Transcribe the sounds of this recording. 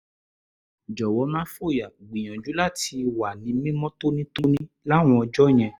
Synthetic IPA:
d͡ʒɔ˨wɔ˨˦mã˦fo˦˨ja˨ɡ͡bĩ˨j̃ɔ̃˨d͡ʒu˨˦la˦˨ti˧wa˨nĩ˨˦mĩ˦mɔ̃˦to˦nĩ˦to˦nĩ˦ | la˦˨w̃ɔ̃˧ɔ˧d͡ʒɔ˦j̃ɛ̃˧

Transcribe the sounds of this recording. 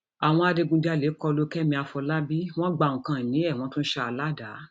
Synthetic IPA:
a˨w̃ɔ̃˧a˧de˧ɡũ˧da˧˦le˨˦kɔ˧lo˧˦kɛ˦mĩ˧a˧fɔ˧la˦bi˦w̃ɔ̃˦ɡ͡ba˨ŋ̩ũ˨kã˨nĩ˨˦ɛ˦˨w̃ɔ̃˧˦tũ˦ʃa˦a˧la˦da˨˦

